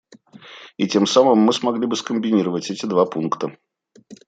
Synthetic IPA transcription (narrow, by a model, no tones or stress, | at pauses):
itʲe̞msamɨmːɨsmɐɡlʲibɨskəmʲbʲɪnʲiɾəvətʲɛtʲɪd̪vapunkt̪ə